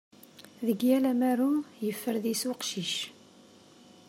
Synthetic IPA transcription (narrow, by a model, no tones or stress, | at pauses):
ðəɡjælæmæɾumjəfːəɾðiswəqʃiʃ